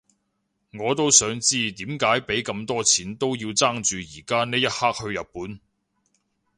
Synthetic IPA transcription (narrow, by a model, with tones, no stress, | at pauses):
ŋɔː˨˧t̪o˥wsœː˨˥ŋt͡siː˥t̪iː˨˥mkaː˨˥jpe˨˥jkɐ˧mt̪ɔː˥t͡sʰiː˨˥nt̪o˥wjiː˧wt͡saː˥ŋt͡ʃyː˨jiː˨˩kaː˥ne˥jɐ˥t̚haː˥k̚hɵ˧ɥjɐ˨t̚puː˨˥n